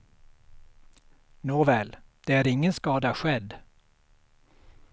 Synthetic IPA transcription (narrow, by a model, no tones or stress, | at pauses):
noːvɛːld̪̥ɛæɾɪŋːənskɑːd̪aɧɛd̪